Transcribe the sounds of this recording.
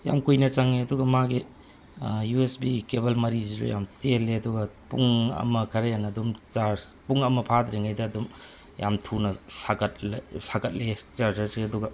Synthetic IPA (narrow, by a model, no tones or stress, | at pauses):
ja̰mkujnɐt͡ʃaŋeɐduɡɐmaɡi | juesbikebɐlmɐɾiziɾṵja̰mteleɐduɡɐpuŋɐ̰mɐkʰɐɾejanːdumt͡ʃaɾpuŋɐmɐpʰadɾiŋajdɐːdum | ja̰mtʰunɐsakʰɐtlsakʰɐt̚let͡ʃaɾzɐɾsiɐduɡɐ